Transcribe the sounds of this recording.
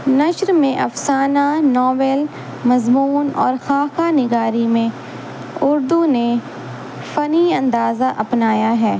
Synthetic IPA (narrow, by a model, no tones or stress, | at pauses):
nɐʃɾmẽʔɐfsaːnanɔːʋɛl | mɐzmuːnɔ̰ːɾxaːkanɪɡaːɾimẽ | ʊɾd̪une | fɐniɐ̃nd̪aːzaʔɐpnaːjaɦɛː